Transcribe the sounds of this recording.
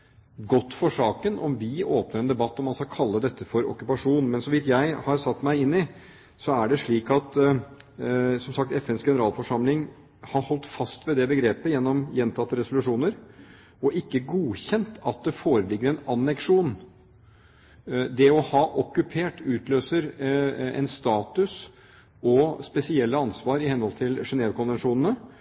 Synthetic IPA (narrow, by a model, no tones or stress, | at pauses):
ɡɔt̪ːfɔʂɑːkənʔɔ̰mʋɪoːpnəɾɛnd̪ɛbɑt̪ːɔmːɑnskɑkʰɑlːəd̪ɛt̪ʰːəfɔɾɔ̰kːʉpɑʂuːnmɛnsɔʋɪt̪jæɪhɑɾsɑt̪ːmæɪɪnːɪ | sɔæɖɛʂɭiːkɑt̪ | sɔmsɑk̚t̪ɛfɛnsɡɛnəɾɑːlfɔʂɑmlɪŋ | hɑɾhɔlt̪fɑst̪ʋɛd̪ɛbəɡɾeːpəjɛnːɔmjɛnt̪ʰɑt̪ːəɾɛsʊlʉʂuːnəɾ | ɔʔɪkːəɡuːçɛnt̪ʰɑt̪̚d̪ɛfoːɾəlɪɡːəɾɛnɑnɛkʂuːn | d̪ɛɔhɑːʔɔkʉpʰeːʈʉːt̪løːsəɾɛ̰nst̪ɑːt̪ʉs | ɔspɛsɪɛlːəɑnsʋɑːɾɪhɛnhɔlt̪ʰɪlʂɛneːʋkʰɔnʋɛnʂuːnən̩ə